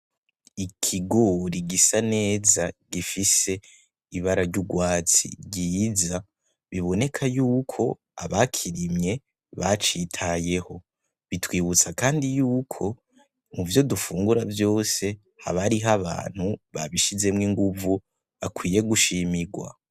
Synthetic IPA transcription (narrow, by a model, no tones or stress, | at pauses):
ikʰiɡo̞ɾiɡisane̞ːzaɡifise̞ | iβaɾaɾɟuɡwaːt͡sḭɟiːza | βiβo̞ne̞kʰajuːkʰo̞ | a̰βakʰiɾimɲe̞ | βat͡ʃitʰaje̞ho̞ | βitwiːβut͡sakaːndijuːkʰo̞ | muvjo̞dufuːŋɡuɾavjo̞ːse̞ | ha̰βaɾiɦaβa̰ːn̥huβa̰βiʃize̞mŋiːŋɡuvu | akwiːje̞ɡuʃimiɡwa̰